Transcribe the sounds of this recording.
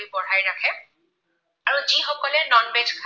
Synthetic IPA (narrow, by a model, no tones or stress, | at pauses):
ibɔɹ̤ajɹakʰɛ | aɹuzixɔkɔlɛnɔnbedkʰ